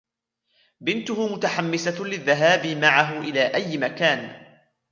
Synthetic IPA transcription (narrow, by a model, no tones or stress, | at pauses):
bɪnt̪ʊhʊmʊt̪aħamːɪsalɪðːaɦaːbɪmaʕaɦʊʔɪlaːʔajːmakaːn